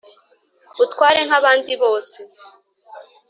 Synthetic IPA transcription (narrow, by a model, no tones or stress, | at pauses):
utkwaːɾe̞ŋ̥haβaːndiβo̞ːse